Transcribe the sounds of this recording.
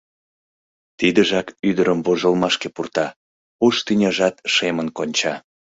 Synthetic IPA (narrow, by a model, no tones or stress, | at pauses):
t̪id̪əʒɑkyd̪əɾəmvoʒəlmɑʃkepurt̪ɑ | uʃt̪ynʲɑʒɑt̪ʃemənkonʲt͡ɕɑ